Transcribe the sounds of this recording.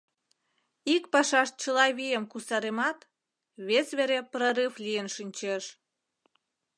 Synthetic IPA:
ikpɑʃɑʃ̚t͡ɕəlɑβijəmkusɑɾemɑt̪ | βesβeɾeproɾɨflijənʃinʲt͡ɕeʃ

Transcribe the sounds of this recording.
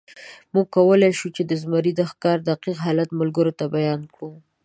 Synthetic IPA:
muɡ̚kːawəlajʃut͡ʃed̪əzmaɾid̪əxkɑɾd̪aqiqɦɑlat̪mʊlɡəɾot̪abajɑnkɽu

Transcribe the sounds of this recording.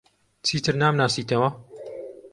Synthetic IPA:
t͡sʰiːt̪ʰɨɾnaːmnaːsiːt̪ʰɐwɐ

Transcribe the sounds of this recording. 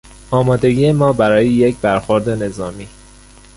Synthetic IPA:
ɒːmɒːd̪e̞ɡiːemɒːbæɾɒːjejecʰbæɾxoɾd̪e̞ne̞zɒːmiː

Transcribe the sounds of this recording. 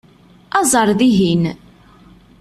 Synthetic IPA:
ɑzˤəɾˤðiɦin

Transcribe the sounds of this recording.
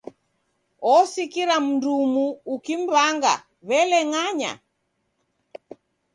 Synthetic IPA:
ɔsikiɾam̩ndumuːkim̩βaŋɡa̰ | βɛlɛŋaɲa̰

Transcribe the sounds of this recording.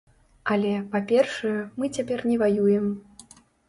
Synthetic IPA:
alʲɛpapʲɛrʂɐjɛmɨt͡sʲapʲɛrnʲɛvajujɛm

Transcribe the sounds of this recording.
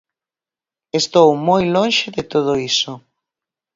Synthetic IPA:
est̪owmojlõnʃɪðɪt̪oð̞oiso

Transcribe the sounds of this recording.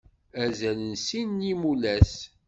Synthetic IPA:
æzælənsinːimulæs

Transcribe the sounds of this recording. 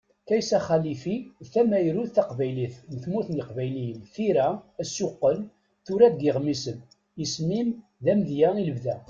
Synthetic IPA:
kæjsæχælifiθæmæjəɾuθæqvæjliθnəθmuθniqvæjlijəmθiɾææsjʊqːəl | θʊɾædɡɪʁmisən | əsmim | ðæmðjæiləvðæ

